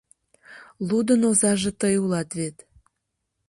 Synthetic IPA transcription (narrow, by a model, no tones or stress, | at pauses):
lud̪ənozɑʒĕt̪əjulɑt̪βet̪